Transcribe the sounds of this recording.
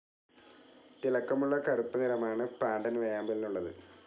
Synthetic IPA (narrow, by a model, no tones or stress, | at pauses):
t̪ilɐkːɐmuɭːɐkɐrupːɨniɾɐmaːɳɨpaːnd̪ɐnʋejaːmbilinuɭːɐðɨ̰